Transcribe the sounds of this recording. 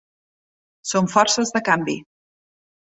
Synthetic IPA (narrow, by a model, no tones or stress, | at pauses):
soɱfɔɾsəzðəkambi